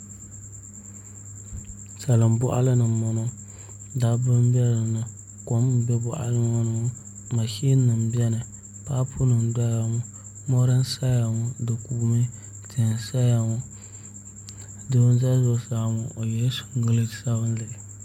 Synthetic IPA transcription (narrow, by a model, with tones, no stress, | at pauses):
sa˨lɨ˨m˨bʊ˦ʔa̰˦lɨ˦nɨ˨mɔ˨no˦ | da˦bɨ˦m˦bɛ˦lɨ˨nɨ˨ | ko˨m˨bɛ˦bʊ˦ʔa̰˦lɨ˦o˦nɨ˨˦ | ma˨ʃi˦nːɨ˨m˨bɛ˦nɨ˨ | pa˦pʰu˦nɨ˨n˨da˦ja˨ŋʊ˦ | mo˦ɾɨ˦n˦sa˦ja˨ŋu˨dɨ˨ku˨mɨ˦ | tʰɨ˨n˨sa˦ja˨ŋo˦ | dɨ˦bɨ˦nza˦zo˨saː˦ŋu˨ʔo˨jɛ˦su̥˨ŋ˦ɡɨ˦lɨ˦˨sa˦bɨ˦n˦lɨ˨